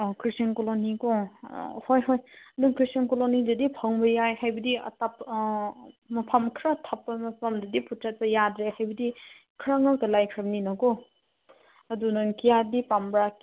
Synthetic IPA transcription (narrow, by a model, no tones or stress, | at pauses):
kʰɾisankolonikɔ | hojɦɔjnuŋkʰɾisankolonidɐdipʰɐŋbɐjajhajbɐdiɐ̰tap | mɐpʰamkʰɾatʰapːɐmɐpʰamdɐdiputʰɾat̚tɐjadɾehajbɐdi | kʰɾaŋɐkɐlajkʰɾaŋninɐkɔ | ɐdunɐŋkijadipambɾak